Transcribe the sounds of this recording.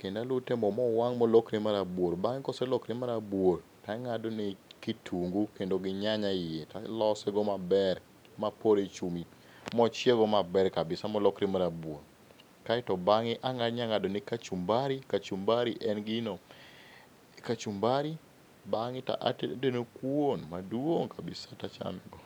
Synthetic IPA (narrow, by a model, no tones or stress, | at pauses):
kendalʊtemɔmɔwaŋmɔlɔkɾemaɾabwoɾbaŋɪkɔsɛlɔkɾemaɾabwoɾ | taŋadonɪkitʰuŋɡukendoɡɪɲaɲaɪjetalɔsɛɡɔmabɛr | mapoɾet͡ʃumi | mɔt͡ʃjeɡɔmabɛɾkabɪsamɔlɔkɾemaɾabwoɾ | kaɪtɔbaŋɪʔaŋaɲaŋadonɪkat͡ʃumbaɾikat͡ʃumbaɾiʔɛnɡɪno | kat͡ʃumbaɾi | baŋɪta̰ʔa̰denokwonmadwoŋkabɪsatat͡ʃa̰mɛɡɔ